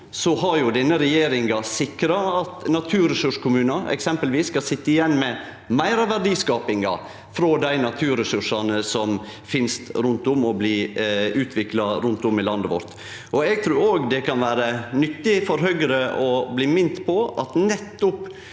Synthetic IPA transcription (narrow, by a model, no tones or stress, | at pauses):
sɔɦɑɾjʊd̪ɛnːəɾɛjeːɾɪŋɑsɪkɾɑɑt̪nɑt̪ʰʉːɾəsʉʂkʰʊmʉːnɑɛ̰ksɛmpəlʋiːsːkɑsɪt̪ːəɪjɛnːmɛ | mæɪɾɑʋæɾɖiːskɑːpɪŋɑ̰ | fɾod̪æɪnɑt̪ʰʉːɾəsʉʂɑnəsɔmfɪnst̪ɾʉnt̪ʊmɔbliːʉːt̪ʰʋɪklɑɾʉnt̪ʊmɪlɑnd̪əʋɔ̰ɾt̪ | ʔɔɛɡ̚t̪ʰɾʉːɾoːɡd̪ɛkʰɑnʋæːɾənʏt̪ːɪfɔɾɦœɡɾəɔbliːmɪnt̪pʰɔʔɑt̪nɛt̪ːʊp